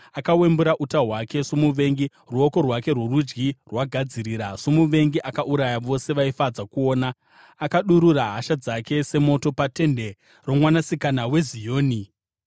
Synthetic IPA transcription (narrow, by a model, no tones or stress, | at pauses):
akawe̞mbuɾaʔutaɦwake̞somuʋe̞ŋɡi | ruoko̞rwake̞rwerud͡ʒɡirwaɡʱad͡ziɾiːɾasomuʋe̞ŋɡiʔakaʔuɾajaʋo̞se̞ʋaifad͡zakuoːnaː | kaɗuɾuɾaɦaʃad͡zake̞se̞mo̞to̞pate̞nde̞ | ro̞mwanasikanawe̞zijo̞ːni